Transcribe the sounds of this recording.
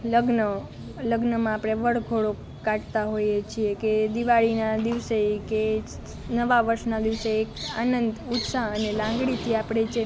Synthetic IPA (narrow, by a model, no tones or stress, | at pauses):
ləɡnə | ləɡnəmãapɽ̃eʋəɽɡʱoɽo | kaʈt̪aɦojet͡ʃʰieked̪iʋaɭinad̪iʋseke | nəʋaʋəɾʃnad̪iʋseːka̰nənd̪ut̪saənelãŋɡɽit̪ʰiapɽ̃et͡ʃʰe